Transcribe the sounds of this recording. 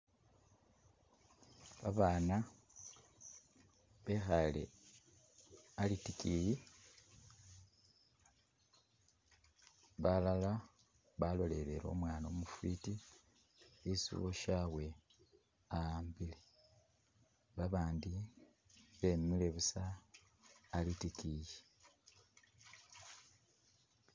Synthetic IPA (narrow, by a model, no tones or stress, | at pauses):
βaβaːna | βe̞xalḛ | alitikiji | βalala | βalo̞le̞ɾeɾo̞̰ːmwaːno̞ːmufiːti | isṵβoʃawe̞ | ambile | βaβaːndi | βemːile̞βusaː | litikiji